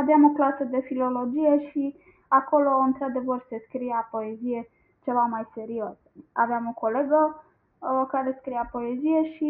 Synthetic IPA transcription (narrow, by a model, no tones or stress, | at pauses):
aveamo̞klasəd̪e̞filo̞lo̞d͡ʒijeʃi | ako̞lo̞ɨnt̪ɾad̪e̞vərse̞skɾijapo̞ezije̞ | t͡ʃe̞vamajse̞ɾios | a̰veamoko̞leɡə | kaɾe̞skɾijapo̞ezije̞ʃi